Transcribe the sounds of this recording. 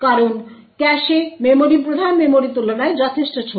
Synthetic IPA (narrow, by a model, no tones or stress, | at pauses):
kaɾon | kɛʃememoɾipɾod̪ʱanmemoɾit̪ulonaed͡ʑɔt̪ʰeʃʈat͡ɕʰo